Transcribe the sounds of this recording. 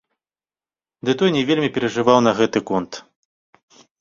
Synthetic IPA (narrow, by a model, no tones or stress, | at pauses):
d̪ɨt̪ɔjnʲɛvʲelʲmʲipʲɛɾɐʐɨvawnɐɣɛt̪ɨkɔnt̪